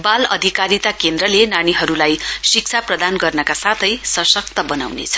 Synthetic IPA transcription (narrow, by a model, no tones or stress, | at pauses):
balʌ̰d̪ʱikaɾit̪akend̪ɾʌlenañiɦʌɾulajsik̚t͡sʰaprʌd̪anɡʌrnʌkasat̪ʰʌjsʌsʌk̚t̪ʌbʌnawnḛt͡sʰʌ̥